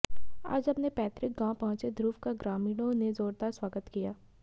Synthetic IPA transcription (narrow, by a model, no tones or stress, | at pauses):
a̰ːd͡ʒɐbnepɛːt̪ɾɪk̚ɡãːpɐɦʊ̃t͡ʃed̪ɾuːfkaɡɾaːmiːɽ̃õnezoːɾd̪aɾswaːɡət̪kijaː